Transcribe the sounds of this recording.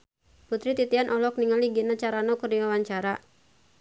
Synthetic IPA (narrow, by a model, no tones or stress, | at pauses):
put̪ɾit̪it̪ianʔɔlɔk̚niŋaliɡinat͡ʃaɾanɔkərdiwawaɲt͡ʃaɾa